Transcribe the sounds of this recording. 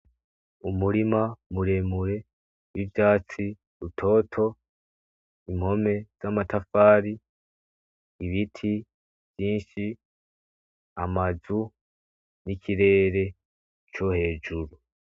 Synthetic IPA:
umuɾimamuɾe̞muɾe̞ | wivjaːt͡si | ɾutʰo̞ːtʰo̞ | imho̞me̞z̥amatafaːɾi | βitʰi | v̥jiːnʃi | amazu | nikʰiɾe̞ːɾe̞ | t͡ʃohe̞ːd͡ʒuɾu

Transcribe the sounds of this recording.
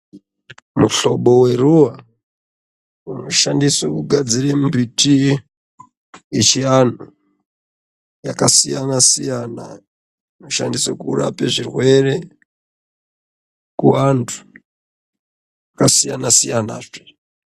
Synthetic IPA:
muɬo̞ɓo̞we̞ruwa | uno̞ʃandiswokuɡʱad͡ziɾemumbiti | et͡ʃian̤u | jakasijanasijana̰ | iuno̞ʃa̰ndisokura̰peʐirwe̞re̞ | kuwantʰu̥ | jakasijanasijanaːʐe

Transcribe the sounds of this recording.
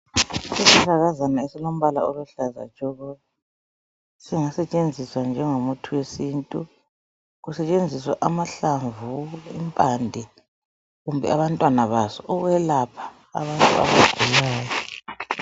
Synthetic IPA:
siziɬʰaɣazanaesilom̩βala̰ɔluɬaza̰̥ʒ̥ʱʼɔɣɔ | siŋasɛt͡ʃʼend͡zʱiswand͡ʒʱɛŋomutʰuwesintʼu | ɣusɛt͡ʃʼend͡zʱiswaʔamaɬaɱvuḭmpʼandʱɛ | ɣumbʱɛ̰aβantʼwanaβasɔʔɔɣwɛlapʰḁ̰ː | βantʼṵa̰βa̰ɡ̥ʱulaːjɔ

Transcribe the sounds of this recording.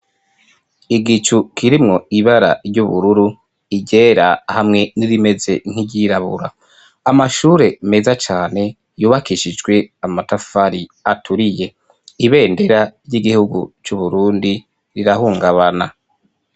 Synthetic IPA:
iɡit͡ʃukʰiɾimŋo̞iβaɾa̰ɾɟuβuɾuɾu | iɟe̞ːɾahamŋe̞niɾime̞ze̞n̥iɟiɾaβṵɾa | amaʃuːɾe̞me̞zat͡ʃaːne̞ | juːβakiʃid͡ʒɡwe̞amatafaɾiatʰuɾije̞ | iβe̞ːnde̞ɾaɾɟiɡihuɡṵt͡ʃuβuɾuːndi | ɾiɾahuːŋɡaβana

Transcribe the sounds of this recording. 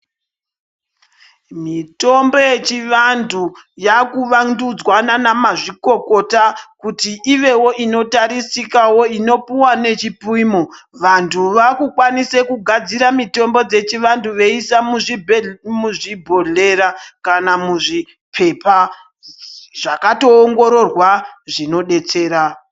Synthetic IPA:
mito̞mbo̞je̞t͡ʃiʋandʱujakuʋandud͡zwananamaʐiko̞ko̞takutiʔiʋe̞wo̞ʔino̞taɾisikawo̞ino̞puwane̞t͡ʃipwiːmoʋantʰuʋakukwanise̞kuɡʱad͡ziɾamito̞mbo̞d͡ze̞t͡ʃiʋantuʋe̞isamu | muʐibʱo̞ɮe̞ɾakanamuʐi | pʰe̞pa | ʐ̥akato̞ːŋɡo̞ɾo̞rwaʐino̞ɗe̞t͡se̞ːɾa

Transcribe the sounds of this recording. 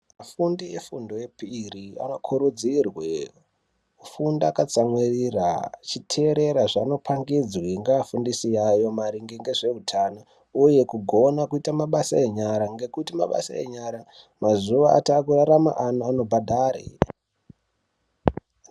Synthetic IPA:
mafundiefundo̞jepiria̰no̞kʰuɾud͡zirwe | ufundakat͡samwirira̰t͡ʃitʰe̞ɾe̞ɾaʐano̞pʰaŋɡid͡zwiŋɡaafundisijajo̞maɾiŋɡeŋɡe̞ʐe̞utʰana | uje̞kuɡʱo̞nakuitamaɓasaeɲaɾaŋɡe̞kutima̰ɓa̰sa̰ḛɲaɾa | mazuʋaa̰taːkuraɾama̰ʔanoano̞bʱadʱaɾḛ

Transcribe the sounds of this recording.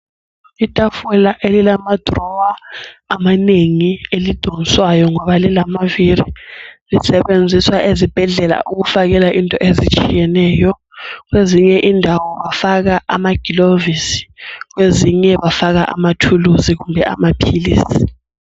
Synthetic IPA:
itʼafulaʔelilamad̥rɔwaːmaneŋielid̥ʱoŋniswajɔŋɔɓalilamaviɾilisɛɓend͡zʱiswaʔezib̥ʱɛɮɛla̰ʔuk̬ufak̬ɛlaʔintʼɔʔezit͡ʃʼʰijɛnɛːjɔ | k̬weziɲɛʔindʱawɔɓafak̬aʔamaɡ̥ʱilovisi̥k̬weziɲɛɓafak̬a̰ʔa̰matʰuluzik̬umbʱɛa̰mapʰiliːsi̥

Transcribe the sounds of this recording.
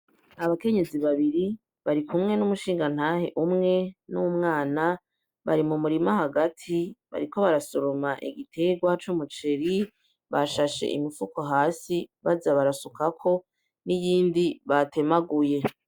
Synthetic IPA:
aβake̞ɲe̞ziβaβiɾi | βaɾikumŋe̞numuʃiːŋɡan̥haːhe̞̰ʔumŋe̞numŋaːna | βaɾimumuɾimaɦaɡatʰiβa̰ɾiko̞βaɾasuɾomaʔiɡitʰe̞ɡwat͡ʃumut͡ʃe̞ɾi | βaʃaʃe̞̰ʔḭmifukoɦaːsiβazaβaɾasukakʰo̞ | nijiːndiβate̞maɡuje̞

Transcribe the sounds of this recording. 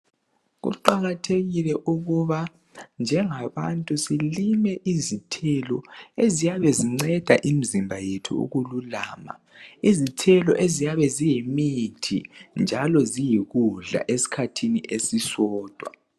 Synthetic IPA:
ɣṵǃaɣatʰeɣilɛʔuɣuβa | nd͡ʒʱɛŋaβa̰ntʼusilimɛʔizitʰɛlɔ̰ezijaβɛziŋ͡ǀɛd̥ʱaʔim̩zimbʱajetʰṵṵɣululaːma̰ | izitʰɛlɔʔezijaβɛzijimitʰḭnd͡ʒʱalɔzijiɣuɮa̰ʔesi̥kʰatʰiniʔesisɔːd̥ʱwa̰

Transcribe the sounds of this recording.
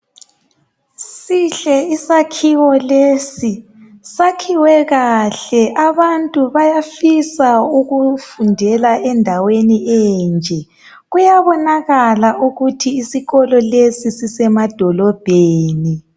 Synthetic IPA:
siɬɛisakʰiwɔlesi | sakʰiwɛɣaɬɛʔaβantʼuβajafisauɣufundʱɛlaʔɛndʱaweniɛnd͡ʒʱɛ | ɣujaβɔnaɣalaʔuɣutʰiːsiɣɔlɔlesisisɛmad̥ʱɔlɔb̥ʱeːni

